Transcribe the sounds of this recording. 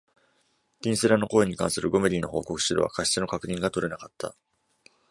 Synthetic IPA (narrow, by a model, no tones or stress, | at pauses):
d̪̥ʲĩɰ̃seɾano̞ko̞eɲ̟ːikãɰ̃sɨɾɯ̟ɡo̞me̞ɾʲino̞ɦo̞̰ːko̞kɯ̟̥ɕiɾo̰βa̰kaɕi̥eno̞kakɯ̟ɲ̟ĩŋɡat̪o̞ɾe̞nakat̪ʰːa̰